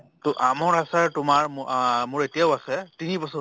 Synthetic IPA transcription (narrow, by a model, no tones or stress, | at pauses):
tɔʔamɔɹasaɹtʊmaɹmʊɹetijaʊasɛtinibɔsɔ